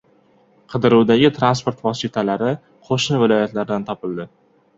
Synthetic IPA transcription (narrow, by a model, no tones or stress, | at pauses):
qʰɨd̪ɪɾuwd̪aɡʲɪt̪ʰɾanspoɾt̪vɒsit̪ʰalaɾɪ | qʰoʃnɪvɪlˠɒjat̪laɾd̪ant̪ʰɒpɪld̪ɪ